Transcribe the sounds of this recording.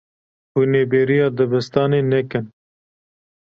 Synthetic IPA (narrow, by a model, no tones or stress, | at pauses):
huːneːbeːɾijɑːd̪əbəst̪ɑːneːnɛkɨn